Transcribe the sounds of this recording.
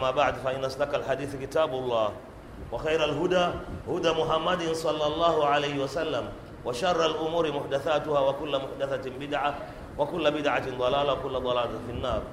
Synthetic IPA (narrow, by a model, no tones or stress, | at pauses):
mːaːbaʕd̪faʔɪnːasd̪akalħad̪iːθkɪt̪aːbʊlˤːɑːh | waxajɾalɦʊd̪aːhʊd̪aːmʊɦamːad̪ɪnsˤɑlːɑlˤːɑːhʊʕalajhɪwasalːam | waʃarˤːalʔʊmuːɾɪmʊħd̪aθaːtʊhaːwakʊlːamʊħd̪aθatɪmbɪd̪ʕa | wakʊlːabɪd̪ʕatɪnd̪ˤɑlaːlawakʊlːad̪ˤɑlaːlafɪnːaːɾˤ